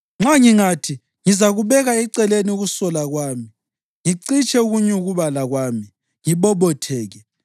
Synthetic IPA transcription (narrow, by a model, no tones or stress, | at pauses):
ŋ͡ǁaŋiŋatʰi | ŋizaɣuβɛɣaɛǀɛleniuɣusɔlaɣwaːmi | ŋiǀit͡ʃʼɛuɣuɲɛuɣuβalaɣwaːmi | ŋiβɔβɔtʰɛːɣɛ